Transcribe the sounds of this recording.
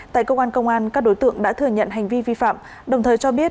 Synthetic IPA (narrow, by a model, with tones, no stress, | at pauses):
t̪a̰ː˧˨jkə˧wkwaː˧nkə˧wŋ͡mʔaː˧nkaː˦˥k̚ɗo˨˦jt̪ɨ̰˧˨əŋɗa̰ː˧˥t̪ʰɨ˨˩əɲə̰˧˨nɦa˨˩jŋ̟vi˧vi˧fa̰ː˧˨m | ɗə˨˩wŋ͡mt̪ʰəː˨˩jt͡ɕɔ˧ɓi˦˥ət̚